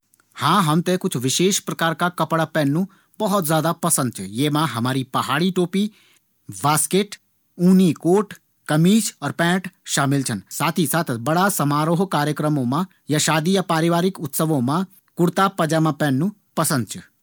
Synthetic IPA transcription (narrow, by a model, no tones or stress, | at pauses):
hãːɦɐmt̪ekʊt͡ʃʰʋɪʃeːʃpɾɐkaːɾkakɐpɽapɛːnːũ | bɐɦɔt̪zjaːd̪apɐsə̃nd̪̚t͡ʃʰujeːmãɦɐmaːɾipɐɦaːɽiʈoːpi | baːskeːʈ | uːnikoːʈ | kɐmiːt͡ʃɔːɾpɛ̃ːʈʃaːmɪlt͡ʃʰənsaːt̪ʰisaːt̪ʰbɐɽasɐmaːɾoːɦkaːɾjəkɾəmõmã | jaʃaːd̪ijapaːɾɪʋaːɾɪkʊt̪səʋõmã | kʊɽt̪apɐd͡ʒaːmãpɛːnːũpɐsə̃nd̪̚t͡ʃʰu